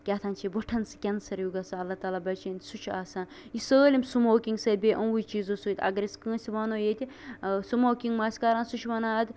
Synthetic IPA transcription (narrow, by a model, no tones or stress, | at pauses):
kʲaːt̪ʰaːnʲt͡ʃʰiboʈʰɐnsɨ̥kʲɐnsɐɾjuɡɐsaɐlːat̪aːlaːbɐt͡ʃeːnʲsut͡ʃʰaːsaːn | jisəːlʲimʲsumoːkʲiŋɡsɐːd̪̚ʲbʲeːʔɐ̃nwut͡ʃiːzoːsuːjt̪ʰʲɐ̰ɡɐɾʲiskə̃ːnsʲiʋaːnoːjet̪ʲi | sumoːkʲiŋɡmaːsʲkaːɾãːnsut͡ʃʰʋɐnaːɐd̪